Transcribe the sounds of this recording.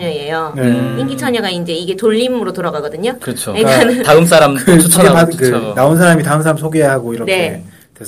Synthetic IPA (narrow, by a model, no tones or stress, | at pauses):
ɲʌɲejoneiŋɡit͡ɕʰʌɲʌɡaind͡ʑe̞iɡe̞toʎːimɯɾotoɾaɡaɡʌdɯɲokɾʌt͡ɕʰojekanɯntaɯms̬͈ʰaɾamɯɡepakɯnaonsʰaɾamitaɯmsʰaɾamsʰoɡeaɦaɡoiɾʌnkee | tes